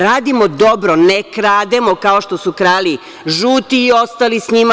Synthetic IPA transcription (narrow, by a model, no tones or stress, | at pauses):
ɾaːd̪imod̪o̞bɾo̞nekɾaːd̪emo̞kaoʃt̪osukɾaːli | ʒuːt̪iːo̞st̪alisɲima